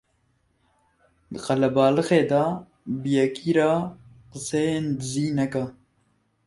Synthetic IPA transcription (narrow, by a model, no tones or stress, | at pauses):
d̪ɨqɐlɛbɑːlɨxeːd̪ɑ | bəjɛkiːɾɑː | qəsejeːnd̪ɨziːnɛka